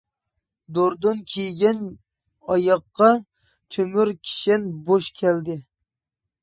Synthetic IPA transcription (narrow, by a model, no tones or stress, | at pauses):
d̪oɾd̪ɨnkʲʰejɡʲɛn | ɑjɑqːɑ | t̪ʰømyɾkʲʰi̥ʃɛnboʃkʲʰɛld̪ɪ